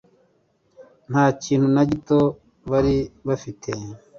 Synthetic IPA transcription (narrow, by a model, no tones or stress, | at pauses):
n̥haːciːnhunaɟito | βaɾiβafitʰe